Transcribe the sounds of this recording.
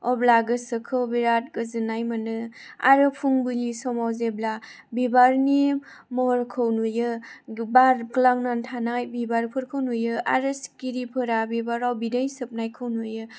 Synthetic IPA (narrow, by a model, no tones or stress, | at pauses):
ɔblaɡɯsɯkʰɯwbiɾat̚ɡɯzɯnajmanɯ | a̰ɾɯpʰuŋbulisɔmawzebla | bibaɾni | mɔɾkʰɯwnujɯbaɾklaŋnantʰanajbibaɾpʰɯɾkʰɯwnujɯaɾɯskiɾipʰɯɾabibaɾawbidajsɯp̚najkʰɯwnujɯ